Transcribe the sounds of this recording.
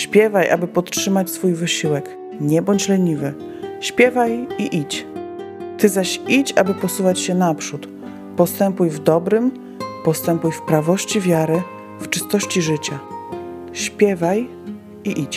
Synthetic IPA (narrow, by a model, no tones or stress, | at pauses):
ɕpʲjɛvajʔa̰bɘpɔt̪ʂɘmat͡ɕsfujvɘɕiwɛk | ɲɛbɔɲt͡ɕlɛɲivɘ | ɕpʲjɛvajiʔit͡ɕ | t̪ɘzaɕit͡ɕa̰bɘpɔsuvat͡ɕɕɛnapʂut̪ | pɔst̪ɛmpujvd̪ɔbɾɘm | pɔst̪ɛmpujfpɾavɔɕt͡ɕivʲjaɾɘ | ft͡ʂɘst̪ɔɕt͡ɕiʐɘt͡ɕa | ɕpʲjɛvaj | iʔit͡ɕ